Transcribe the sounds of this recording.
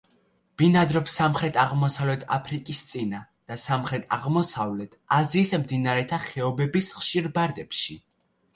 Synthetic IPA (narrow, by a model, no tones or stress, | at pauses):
b̥inad̪ɾɔpsamχɾɛt̪ʰaʁmɔsavlɛt̪ʰa̰pʰɾikʼist̪sʼinad̪̥asamχɾɛt̪ʰaʁmɔsavlɛt̪ʰaziːsmd̪inaɾɛt̪ʰaχɛɔbɛbisχʃiɾbaɾd̪ɛpʃi